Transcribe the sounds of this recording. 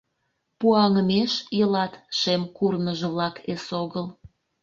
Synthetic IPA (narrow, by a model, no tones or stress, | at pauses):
puɑŋəmeʃjəlɑt̪ʃemkurnəʒĕβlɑkesoɣəl